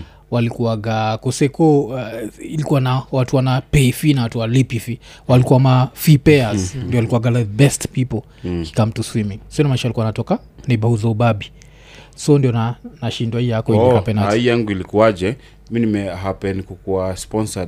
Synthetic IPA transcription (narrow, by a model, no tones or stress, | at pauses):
walikuwaɡakɔsɛkɔ | ilikuwanawatuwanapɛifinawatuwalipifi | walikuamafipɛazndiɔwalikuwaɡalaðbɛstpipɔl | ki̥kam̩tuswimiŋsiɔnamaiʃalikuanatɔka | nɛbauzɔubabi | sɔndiɔnanaʃindwahijakɔiikapɛnaijaŋɡuilikuad͡ʒɛ | minimɛɦapɛnikukuaspɔnsa